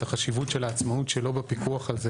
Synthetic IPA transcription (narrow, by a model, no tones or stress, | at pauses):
taχaʃivutʃelaːt͡ssmautʃelo̞bepikuaχalze